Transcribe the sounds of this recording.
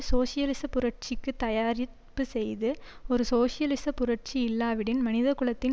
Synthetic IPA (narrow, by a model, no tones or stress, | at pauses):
soːsɪjɐlɪsɐpʊɾɐʈ̚t͡ʃɪkːɯt̪ːɐjaːɾɪ | pːɯsɛjðɯɔɾɯsoːsɪjɐlɪsɐpʊɾɐʈ̚t͡ʃiɪlːaːʋɪɽɪnmɐnɪðɐkɯɭɐt̪ːɪn